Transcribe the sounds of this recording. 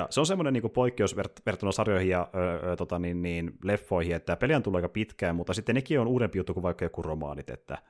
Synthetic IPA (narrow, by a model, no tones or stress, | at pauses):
jɑ̰seonsemːoneniːŋkupoikːeosʋert̪ʋert̪ːonɑsɑrjoihijjɑøːt̪ot̪ɑninniːnlefːoihiet̪ːæpeljænt̪ulːɑikɑpit̪kæːmmut̪ːɑsit̪ːennekiːonuːɾempijut̪ːukuʋɑikːɑjokːuromɑ̰ːnit̪ḛt̪ːæ̰